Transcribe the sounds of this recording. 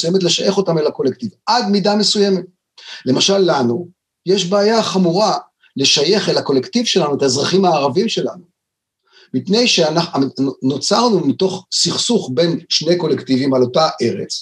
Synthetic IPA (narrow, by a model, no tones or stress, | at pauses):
sujemetle̞ʃaje̞χo̞tamelako̞lektivadmidame̞suje̞me̞t̚ | le̞maʃalːanu | jeʃbeːjaχamuʁa | le̞ʃaje̞χelhako̞le̞ktivʃe̞lanuetaezʁaχimhaːʁavimʃe̞la̰nu | mipne̞jʃeanaano̞t͡saʁnumito̞χsiχsuχbe̞nʃne̞jko̞lektivimalo̞taʔe̞ʁe̞̰t͡s